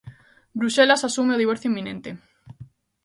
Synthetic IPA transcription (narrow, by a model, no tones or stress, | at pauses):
bɾuʃelasasumeoð̞iβɔɾθjoimːĩnẽnt̪e